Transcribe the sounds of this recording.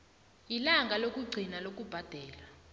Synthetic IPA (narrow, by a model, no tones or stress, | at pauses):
ilaŋɡʱalok̬ʼuɡ͡ǀʱinalok̬ʼub̥ʱad̥ʱɛːla